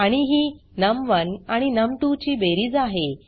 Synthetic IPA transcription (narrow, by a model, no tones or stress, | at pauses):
aɽ̃iɦiːnəmʋənaɽ̃inəmʈut͡ɕiːbeɾiːd͡zaɦe